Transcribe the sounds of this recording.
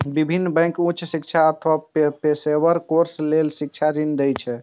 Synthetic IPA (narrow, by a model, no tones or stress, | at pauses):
bibʱinːbɛ̃jŋkũt͡ʃʰsik̚t͡ʃʰaət̪ʰʋapepesebəɾkoɾslelsik̚t͡ʃʰaɾind̪ɛjt͡ʃʰɛ